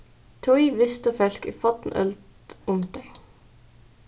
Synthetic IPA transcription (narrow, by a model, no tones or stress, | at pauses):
t̪ʰɔiʋɪst̪əfœlkiːfɑt̪n̩œ̰ld̪ | ʊmd̪e